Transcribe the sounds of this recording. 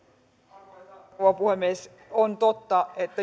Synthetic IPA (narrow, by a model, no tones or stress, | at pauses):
ʋɑpuhemːieˑs | ont̪ot̪ːɑet̪ːæ